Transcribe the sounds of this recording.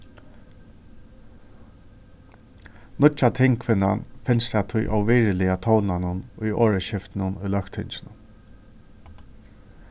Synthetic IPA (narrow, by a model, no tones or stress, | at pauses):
nʊt͡ʃat̪ʰɪŋkʰvɪnːa̰nfɪnst̪ɛat̪ʰʊjʔa̰wviːɹɪlɪat̪ʰɔwnanʊnʊjoːɹəɕɪft̪ɪnʊnʊjlœkt̪ʰɪnt͡ʃɪnʊn